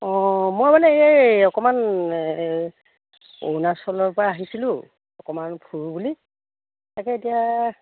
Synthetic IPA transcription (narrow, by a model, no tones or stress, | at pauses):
ɔ̃mojbalɛejaɔkɔman | o̰wnasɔlɔɹpɔɹaːɦisilʊ̃ | ɔkɔmanbʰʱuɹbuli | takɛetija